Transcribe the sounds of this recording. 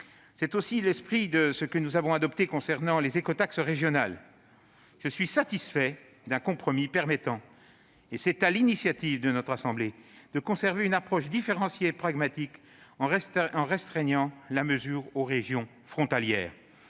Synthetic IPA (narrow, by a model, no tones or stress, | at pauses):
sɛt̪osilɛspχid̪əsəkənuzavɔ̃ad̪ɔpt̪ekɔ̃sɛʁnɑ̃lezekɔt̪aksəʁeʒjɔnal | ʒ̥əsɥisat̪isfɛ | d̪ɛ̃kɔ̃pχɔmipɛʁmɛt̪ɑ̃ | esɛt̪alinisjat̪ivd̪ənɔt̪χasɑ̃bled̪̥əkɔ̃sɛʁveynapχɔʃd̪ifeʁɑ̃sjeːpχaɡmat̪ik | ɑ̃ʁɛɑ̃ʁɛ̃st̪χɛɲɑ̃laməzyːʁoʁeʒjɔ̃ | fχɔ̃t̪aljɛ̰ːʁ